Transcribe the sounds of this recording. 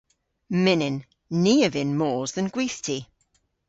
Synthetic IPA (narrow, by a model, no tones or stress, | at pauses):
mɪnɪ̃nː | iːəvɪ̃nmɔːzðə̃nɡ̥wiˑθtʰi